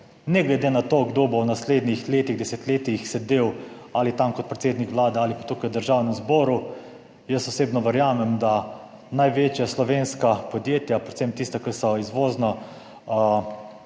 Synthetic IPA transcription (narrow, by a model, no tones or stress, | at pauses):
nɛɡlɛd̪eːnat̪oːɡd̪oːbownasleːd̪nixleːt̪iɣd̪ɛsɛt̪leːt̪ixsɛd̪ewalit̪amkɔt̪̚pɾɛt̪seːd̪nikʋlaːd̪ɛalipat̪uːkajwd̪əɾʒawnɛmzbɔːɾu | jəsɔseːbnɔʋɛɾjaːmɛmd̪a | najʋeːt͡ʃjaslɔʋenskapɔd̪jeːt̪japɾɛt̪semt̪ist̪akəɾsɔizʋoːznɔ